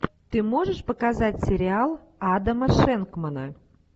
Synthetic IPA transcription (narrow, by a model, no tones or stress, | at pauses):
t̪ɨmoʒəʃpə̆kɑzɑtʲsʲeɾʲiɑlˠ | ɑd̪əməʃeŋkmənɑ